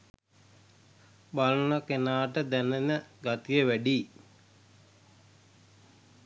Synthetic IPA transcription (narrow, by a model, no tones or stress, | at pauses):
balənakenaːʈəd̪ænenəɡat̪ijəʋæɖi